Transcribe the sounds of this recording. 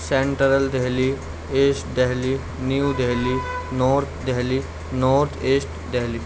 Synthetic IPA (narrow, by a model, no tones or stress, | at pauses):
seɳʈəɾəld̪eɦli | esʈd̪eɦli | niud̪eɦlinɔɾt̪ʰd̪aɦli | nɔɾt̪ʰesʈd̪eɦli